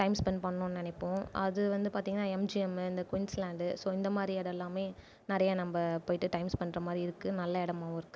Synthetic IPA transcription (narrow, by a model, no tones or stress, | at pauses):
ʈɐɪmspɛnpɐɳːʊ̃nnɛnɛpːõʔɐ̰ðɯʋɐnd̪ɯpaːɾt̪iːŋɡɐnaːɛmd͡ʒiɛmɯɪnd̪ɐkʋɪnslaːɳɖɯsoːɪnd̪ɐmaːd̪ɾiɛɽɛlːaːmeː | nɪɾɐjɐnɐmbɐpoːjɪʈːɯʈɐɪmspɐɳːɾɐmaːd̪ɾiɪɾɯkːɯnɐlːɐɛɽɐmaːʋ̃ɪɾɯkːɯ